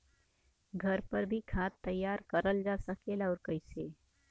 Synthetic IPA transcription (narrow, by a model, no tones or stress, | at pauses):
ɡʱɐɾpɐɾbʱikʰaːt̪ːəjːaːɾkɐɾəld͡ʒaːsəkelɔːɾkəɪseː